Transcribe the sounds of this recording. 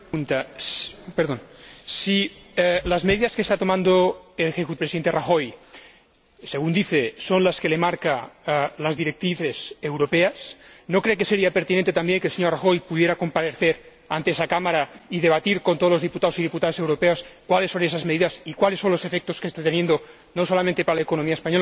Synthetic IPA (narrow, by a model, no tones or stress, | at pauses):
unt̪a | peɾðonsilazmeðiðaskest̪at̪o̞mãnd̪oelexekut̪pɾesiðent̪eraxoj | seɣund̪iθesonlaskelemaɾkalazðiɾek̚t̪ɾiθesewɾopeasnokɾekeseɾiapeɾt̪inẽnt̪et̪ambjeŋkelseɲoraxojpuðje̞ɾako̞mpaðeθeɾ | a̰nt̪eesakamaɾaiðeβ̞at̪iɾkont̪olozðiput̪aosið̞iput̪aðosewɾopeoskwalesːo̞nesazmeðiðasikwalesːo̞nlose̞fek̚t̪oskest̪at̪enjend̪o | nosolamẽnt̪e̞paɾalaekonomiaespaɲol